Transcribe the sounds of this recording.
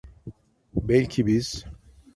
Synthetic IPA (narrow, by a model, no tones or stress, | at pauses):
bɛlʲcʰibiz̥